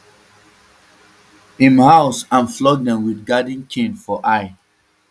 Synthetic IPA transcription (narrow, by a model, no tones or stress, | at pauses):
ĩmhaʊsãnflɔɡ̚dɛ̃mwidɡadĩnkʰĩnfɔʔaɪ